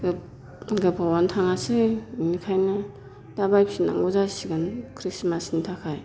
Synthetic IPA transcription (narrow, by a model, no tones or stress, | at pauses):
ɡɯ | ɡɯpʰawantʰaŋasɯjimikʰajnɯ | d̥abajpsina̰ŋɡɔzasiɡankʰɾismasnitʰakʰaj